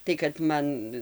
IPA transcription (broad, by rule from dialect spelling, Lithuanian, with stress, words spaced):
tɐɪ kɐt ˈmɐn